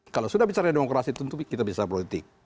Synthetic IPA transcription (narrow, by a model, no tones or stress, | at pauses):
kalawsudahbit͡ʃaɾademokɾasit̪unt̪ukit̪abisapɔlit̪ɪk̚